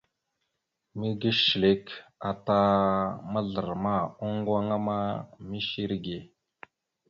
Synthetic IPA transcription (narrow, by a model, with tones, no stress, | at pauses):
mi˦ɡə˦ʃle˦ka˨t̪a˦mə˦ɮə˨ɾma˦˨o˦ŋɡwa˦ŋa˦ma˦mi˦ʃi˦ɾɡe˨